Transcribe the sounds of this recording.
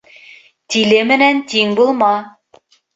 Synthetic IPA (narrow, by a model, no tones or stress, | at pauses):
t̪ilɘmɘ̆nænt̪iŋbulˠmɑ